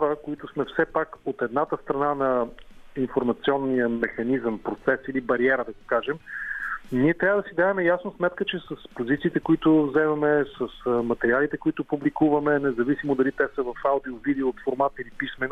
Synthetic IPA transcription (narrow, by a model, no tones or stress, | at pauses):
ɔɾəkoit̪ʊsmɛfsɛpakot̪ɛd̪nat̪əst̪ɾɐnanɐinfoɾmɐt̪siɔnːijəmɛxɐnizəmpɾot̪sɛsilibɐɾiɛɾəd̪ɐɡokaʒɛm | niɛt̪ɾʲavəd̪ɐsid̪avɛmɛjasnosmɛt̪kət͡ʃɛsəspozit̪siːt̪ɛkʊit̪ʊvzɛmɐmɛsəsmɐt̪ɛɾialit̪ɛkoit̪ʊpublikuvɐmɛnɛzɐvisimod̪ɐlit̪ɛsəvɐfaʊd̪iʊvid̪ɛot̪foɾmat̪ilipismɛn